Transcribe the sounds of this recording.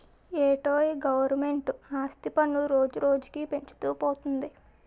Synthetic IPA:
eːʈoːiɡɐʋɐɾme̞ɳʈuaːst̪ipɐnuɾoːd͡ʒuɾo̞ːd͡ʒu̥kipe̞ɲt͡ʃu̥t̪uːpoːt̪und̪i

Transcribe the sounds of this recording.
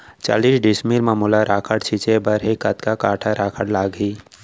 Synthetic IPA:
t͡ʃa̰ːliːsɖɪsmiɾmaːmuːlaɾaːkʰəɽt͡ʃʰit͡ʃebəɾɦekət̪kakaːʈʰaɾaːkʰəɽlaːɡiː

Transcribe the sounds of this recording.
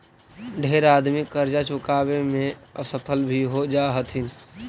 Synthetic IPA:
ɖʱeːɾaːd̪mɪkːəɾd͡ʒat͡ʃʊkaːbemẽəsəpʰəlbʱiɦod͡ʒaːɦət̪ʰɦɪn

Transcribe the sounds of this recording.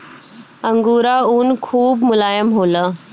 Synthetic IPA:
əŋɡuːɾauːnkʰuːbmʊlajəmɦoləː

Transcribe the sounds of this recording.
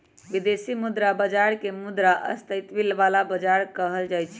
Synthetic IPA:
ʋid̪esimud̪ɾabəd͡ʒaɾkemud̪ɾaʔə̰st̪əjt̪bilʋalabəd͡ʒaɾkəɦəld͡ʒajt͡ʃʰ

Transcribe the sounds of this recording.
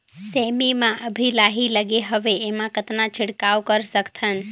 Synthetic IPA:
semimãʔəbʱilaɦiləɡeɦəʋeːmãkət̪nãt͡ʃʰɪɽkawkəɾsəkt̪ʰən

